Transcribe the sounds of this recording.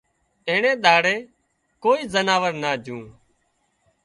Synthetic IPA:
ẽːɳẽːɗ̪aːɽeː | koːiːzənaːʋəɾnaːd͡ʒʱũː

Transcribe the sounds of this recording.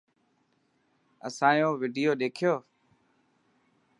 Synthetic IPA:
ə̰sãːjõːʋiːɖɪjoːɗeːkʰɪjoː

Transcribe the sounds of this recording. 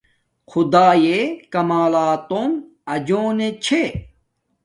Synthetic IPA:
xʰud̪aːjekɐmaːlaːt̪om | ɐd͡ʑoːnet͡ɕʰe

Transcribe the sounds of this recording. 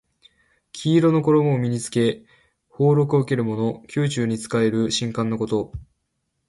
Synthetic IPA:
kʲʰiːɾo̞no̞ko̞ɾo̞momʲiɲ̟it͡sɨ̥ke̞ | ho̞ːɾo̞k̬ɯoɯke̞ɾɯ̟mo̞no̞kʲʰɨːt͡ɕɨːɲ̟it͡sɨ̥kae̞ɾɯ̟ɕĩŋkãnːoko̞t̪o̞

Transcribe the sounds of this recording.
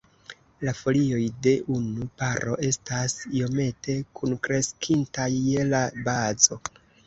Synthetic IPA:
lafo̞lio̞jde̞ʔunupaɾo̞̰ʔe̞stasio̞me̞tʰe̞kunkɾe̞skʰintajːelabazo̞

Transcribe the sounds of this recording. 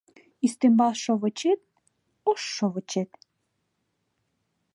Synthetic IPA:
ist̪embɑlʃoβə̆t͡ɕet̪̚ | oʃːoβɤ̆t͡ɕet̪

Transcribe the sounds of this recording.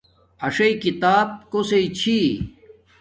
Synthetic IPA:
ɐʂɐikit̪aːb̚koseit͡ɕʰi

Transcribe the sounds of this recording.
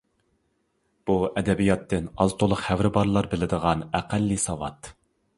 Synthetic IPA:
b̥uɛd̪ɛbijɑt̪ʰːɪnɑlˠt̪ʰolˠʊqhæwɾɪbɑɾlˠɑɾbɪlɪd̪əʁɑnæqælːisɑwɑ̰t̪

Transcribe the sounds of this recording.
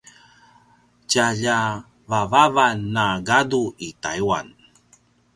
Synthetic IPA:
caʎa | vavavanːaɡaduitajua̰n

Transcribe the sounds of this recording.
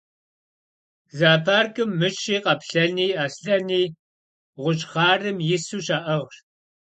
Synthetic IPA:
zaːpʰaːrkʼɨmːɨt͡ʃʰʼiːqɐpɬɐniːaːsɬɐniː | ʁʷʊt͡ʃʼχɑːrɨmjɪsuːʃaːʔɐʁr

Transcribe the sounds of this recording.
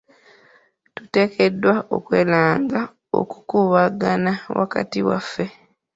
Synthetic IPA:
tu̥te̞ːkʰe̞dːwao̞̰kwe̞̰ːlaːŋɡa | o̞̰ku̥kuβaɡanawʔa̰ka̰tiwa̰fːe̞

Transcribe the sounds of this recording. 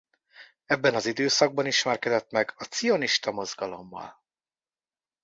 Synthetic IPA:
ɛbːɛnɒzid̪øːsɒɡ̚bɒniʃmɛrkɛd̪ɛt̪mɛɡɒt̪sijo̞niʃt̪ɒmo̞zɡɒlo̞̰mːɒ̰l

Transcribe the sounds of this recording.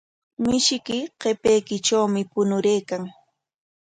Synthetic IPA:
mɪʃɪkɪqepejkɪʈ͡ʂawmɪpʊnʊɾejkaŋ

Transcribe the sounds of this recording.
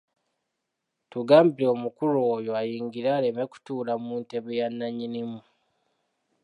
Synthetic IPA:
tuɡaːmbileomukuloːjo̞ajiːŋɡiɾaːle̞meku̥tuːlamuːnte̞βejanːaɲinimu

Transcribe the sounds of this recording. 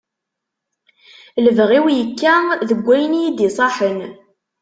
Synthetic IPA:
ləvʁiwjəkːæðəɡʷːæjənijid̪isˤɑħən

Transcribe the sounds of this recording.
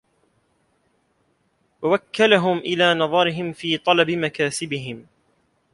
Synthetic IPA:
wawakːalaɦʊmʔɪlaːnɑðˤɑɾɪɦɪmfiːt̪ˤɑlɑbɪmakaːsɪbɪɦɪm

